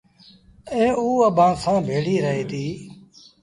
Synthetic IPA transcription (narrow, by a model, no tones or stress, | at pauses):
ẽːuːəbʱãːsãːbʱeːɽiːɾəɦeːt̪ʰiː